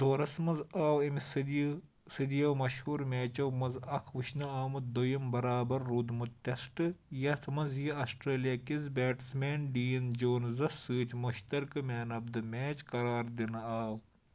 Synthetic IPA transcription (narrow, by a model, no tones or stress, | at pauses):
t̪oːɾɐsmɐzaːwɐmisɨd̪ | sɨd̪ijɐwmɐʃhuːɾmʲeːt͡ʃɐwmɐzɐkʰʋɨʃnɐaːmɨd̪ojɐmbɐɾaːbɐɾːud̪mut̪̚t̪ʲɐsʈɨjɐt̪ʰmɐzjiɐsʈɾeːlijakizbʲeːʈsmʲeːnɖiːnd͡ʒoːnzɐsɨːt̪ʲmuʃt̪ɐɾkɨmʲeːnɐb̚d̪ɨmʲeːt͡ʃkɐɾaːɾd̪inɐaːw